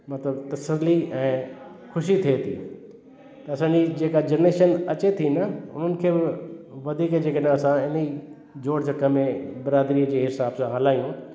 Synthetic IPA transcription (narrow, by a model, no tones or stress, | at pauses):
mɐt̪ləbt̪ɐsəliɛ̃ː | xʰʊʃit̪ʰiet̪ʰḭː | t̪ɐɐsãːɲd͡ʑid͡ʑeːkad͡ʑɐneːʃənɐt͡ɕet̪ʰinəʊ̰n̤ənɪ̆kʰeːbɪʋɐd̪ʱiːkd͡ʑeːkenəɐsãɪni | d͡ʑoːɽd͡ʑɐkəmẽbɪɾaːd̪ɾiːd͡ʑeːɦɪsaːbsãɦɐlaːijũ